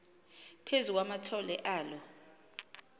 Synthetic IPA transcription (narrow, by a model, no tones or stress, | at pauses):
pʰezuk̬ʼwamatʰɔlɛʔaːlɔ